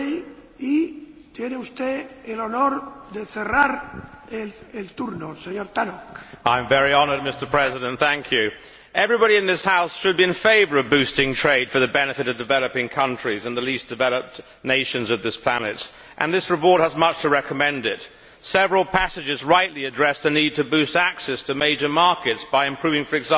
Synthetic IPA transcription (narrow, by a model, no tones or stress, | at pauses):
it̪jeneust̪eelonoɾðeθeraɾ | eelt̪uɾnoseɲoɾt̪anokãɪ̃ɱvɛɹiɑnə˞d̚mɪstə˞pʰɹ̥ɛzɨɾɨ̃nθæ̃ŋkʰjʉ | ɛvɹibɑɾiɨ̃nðɪshaʊsʃɨd̚biɨ̃nfeɪvə˞ʌvbʉstɪ̃ŋtʰɹ̥eɪd̥fə˞ðɨbɛnɨfɨɾʌvdɨvɛlˠəpɪ̃ŋkʰʌ̃nt͡ʃɹ̥izɨ̃nðəlisd̥ɨvɛlˠəp̚t | neɪʃɨ̃nzʌvðɪspʰl̥ænɨt | ʔɨ̰̃nðɪsɹɨpɔɹt̚həzmʌt͡ʃtʰəɹɛkəmɛ̃ndɪt | sɛvɹl̩ˠpʰæsɨd͡ʒɨzɹaɪʔˡliɨdɹɛsðɨnid̚tʰɨbʉstæksɛstʰɨmeɪd͡ʒə˞mɑɹkɨtsb̥aɪɨ̃mpʰɹ̥ʉvɪ̃ŋfə˞ɨɡzæ̃